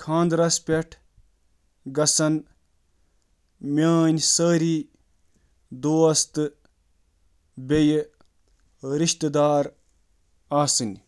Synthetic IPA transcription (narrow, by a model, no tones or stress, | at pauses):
kʰãːnd̪ɾɐspʲeʈʰ | ɡɐsɐn | mʲaːnʲsəːɾiː | d̪oːɐst̪ɨ | bʲej | ɾiʃt̪d̪aːɾ | aːsɨnʲ